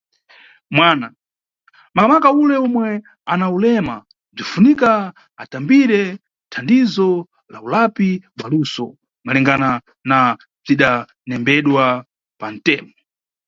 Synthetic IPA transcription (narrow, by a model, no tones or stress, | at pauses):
mwaːna | mamakaulɛɔmwɛ | anaulɛma | b͡ʐifunikaː | tambiɾɛ | tʰandizɔ | la̰ulapiɓalusɔ | malɛŋɡana | na | b͡ʐiɗa | nɛmbɛɗwa | pan̩tɛːmɔ